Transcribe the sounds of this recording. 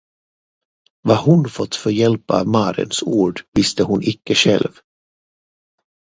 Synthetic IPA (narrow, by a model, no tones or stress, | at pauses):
vaɦʊnfɔt̪ːfœɾjɛlpa̰mɑːɾɪ̰nsuːɖvɪst̪əɦʊnʔɪkːəɧɛ̰lv